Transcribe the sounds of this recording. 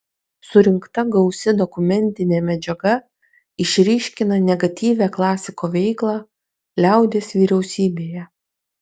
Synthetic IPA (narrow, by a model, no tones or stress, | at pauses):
sʊɾʲɪŋkt̪ɐɡɒʊsʲɪd̪ɔkʊmʲɛnʲt̪ʲɪnʲeːmʲɛd͡ʒʲɛɡɐ | ɪʃʲɾʲiːʃʲkʲɪnɐnʲɛɡɐt̪ʲiːʋʲæklˠɑːsʲɪkoːʋʲɛɪklˠɑː | lʲæˑʊd̪ʲeːsʋʲiːɾʲɛʊsʲiːbʲeːjɛ